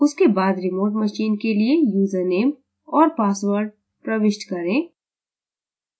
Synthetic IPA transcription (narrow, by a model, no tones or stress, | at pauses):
ʊskebaːd̪ɾɪmoːʈmɐʃiːnkeliejuːzəɾneːm | ɔːɾpaːsʋəɾɖ | pɾɐʋɪʃʈkɐɾẽː